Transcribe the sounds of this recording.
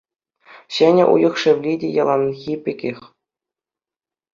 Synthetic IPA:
ɕɘnʲɘ̰̆ʔṵjɤ̆χʂɘ̆ʋlʲidʲejɑlˠɑnxʲipʲɘkʲexʲ

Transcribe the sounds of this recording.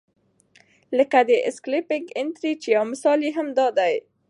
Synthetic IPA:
ləkad̪əʔɪsklɪpɪŋɡɪnt̪ɾit͡ʃejawmɪsɑliɦamd̪ɑd̪aj

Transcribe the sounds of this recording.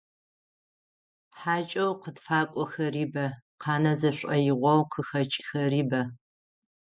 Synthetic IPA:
ħaːt͡ʃʼɐwqədfaːkʷʼɔxɐriːbɐqʰɑːnɐzɐɕʷʼɐjɪʁʷɔwqʰəxɐt͡ʃʼxɐriːbɐ

